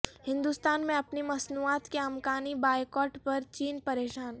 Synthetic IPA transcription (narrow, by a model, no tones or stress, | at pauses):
hɪ̃nd̪ust̪aːnmẽɐpnimɐsnuːaːt̪keɐmkaːnibaːjkɔːʈpɐɾt͡ʃiːnpɐɾeːʃaːn